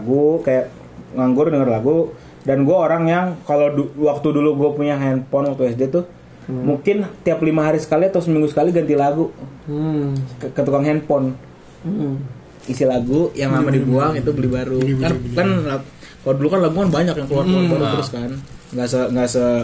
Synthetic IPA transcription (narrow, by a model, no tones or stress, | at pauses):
ɡukajaʔ | ŋaŋɡʊrdəŋərlaɡu | danɡuaoɾaŋjaŋkaloduwak̚t̪uduluɡuapuɲaɦɛnpɔnwak̚t̪uɛs̬det̪ʊ | muŋkɪnt̪iaplimaɦaɾisə̥kalit̪ʊsmiŋɡusə̥kaliɡant̪ilaɡu | kət̪ukaŋɦɛnpɔn | isilaɡujaŋlamadibuaŋit̪ubəlɪbaɾukakanla | kalodulukanlaɡukanbaɲakjaŋkəluarbaɾut̪əɾʊskanŋɡasəŋɡasə